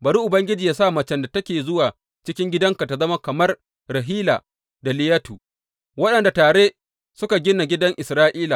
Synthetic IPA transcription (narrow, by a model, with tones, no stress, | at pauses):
bɐ˨ɾuː˦ʔʊ˨bɐ˦ŋɡʲɪ˦d͡ʒiː˨jaː˦saː˦˨mɐ˨t͡ʃɛ˦nda˨tɐ˦kʲeː˨zʊ˦waː˨ | t͡ʃɪ˦kʲɪ˦ŋɡʲɪ˦dɐ˦ŋka˨ta˨zɐ˦ma˦kɐ˨mɐ˦r | ɾɐ˨ɦiː˦la̰ː˨ | da˨lɪ˦jɐ˦tu˨ | wɐ˦ɗɐ˨nda˨taː˨ɽe˦ | sʊ˦ka˨ɡʲɪ˦na˨ɡʲɪ˦dɐ˦ŋʔɪ˨sɾaː˦ʔiː˦la˨